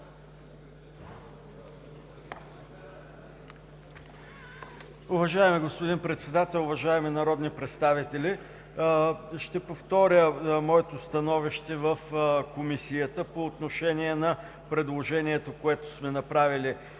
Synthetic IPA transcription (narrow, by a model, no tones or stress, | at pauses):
ʊvɐʒaɛmiɡospod̪inpɾɛt̪sɛd̪at̪ɛlˠʊvɐʒaɛminɐɾɔd̪nipɾɛt̪st̪avit̪ɛli | ʃt̪ɛpoft̪ɔɾʲəmɔɛt̪ost̪ɐnɔviʃt̪ɛvəfkomisijət̪əpoːt̪noʃɛniɛnɐ | pɾɛd̪lˠoʒɛniɛt̪okoɛt̪o̥smɛnɐpɾavili